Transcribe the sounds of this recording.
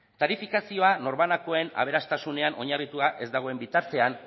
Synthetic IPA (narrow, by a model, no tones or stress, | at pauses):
t̪aɾifikasio̞ano̞ɾβanako̞e̞na̰β̞e̞ɾast̪asune̞anʔo̞ɲarit̪uaʔe̞zd̪aɣ̞o̞e̞mbit̪aɾt̪e̞an